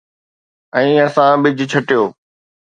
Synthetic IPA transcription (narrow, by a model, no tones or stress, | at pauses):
ɛ̃ːɐsãbɪd͡ʑt͡ɕʰɐʈijoː